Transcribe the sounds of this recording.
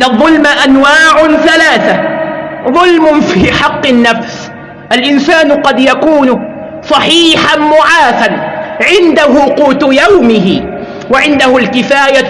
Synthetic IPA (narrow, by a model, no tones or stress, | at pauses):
ʔnːaðˤːʊlmaʔanwaːʕʊθalaːθa | ðˤʊlmʊfiːħɑqːɨnːafs | ʔalʔɪnsaːnqɑd̪jakuːn | sˤɑħiːħanmʊʕaːθanʕɪnd̪aɦʊquːt̪jawmɪɦɪ | waʕɪnd̪ahʊlkɪfaːja